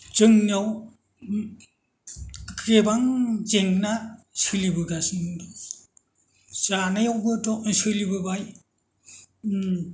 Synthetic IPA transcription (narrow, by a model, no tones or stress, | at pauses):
zɯŋniaw | kʰɾebaŋzeŋnasɯlibɯɡasiŋ | sanajawbɯtɔsɯlibɯbaj